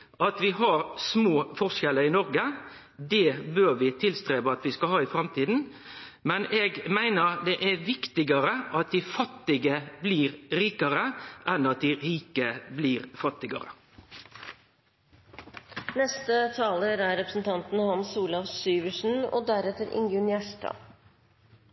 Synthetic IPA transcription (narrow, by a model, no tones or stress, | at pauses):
ʔɑt̪ʋɪɦɑɾsmoːfɔʁʂɛləɾɪnɔɾɡə | d̪ɛbøːɾʋɪt̪ʰɪlst̪ɾeːʋəɑt̪ʋɪskɑlhɑːɪfɾɑmt̪ʰiːd̪n̩ | mɛnɛːɡmæɪnəɾd̪ɛʔæɾʋɪkt̪ɪɡəɾəʔɑt̪̚d̪ɪfɑt̪ːɪɡəbliːɾɾiːkəɾəʔɛnɑt̪̚d̪ɪɾiːkəbliːɾfɑt̪ːɪɡɑ̰ɾə̰ | nɛst̪ət̪ʰɑːləɾæɾɾɛpɾəsn̩t̪ʰɑnt̪n̩hɑnsuːlɑfsyːʋəʂn̩ɔ̰d̪æɾɛt̪əɾʔɪ̰ŋjʉnjæʂʈɑ̰